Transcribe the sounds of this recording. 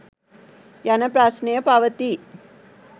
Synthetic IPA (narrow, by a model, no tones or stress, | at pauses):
janɐpɾaːsnejɐpaʋɐt̪i